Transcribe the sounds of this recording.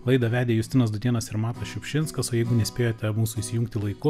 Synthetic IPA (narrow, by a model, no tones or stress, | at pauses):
lˠɐɪd̪ɐʋʲæːd̪ʲeːjʊsʲt̪ʲɪnɐsd̪ʊd̪ʲiɛnɐsɪɾmɑːt̪ɐʃʲʊpʲʃʲɪnskɐsoːjɛɪɡʊnʲɛsʲpʲeːjoːt̪ʲɛmuːsuiːsʲɪjuŋkt̪ʲɪlˠɐɪkʊ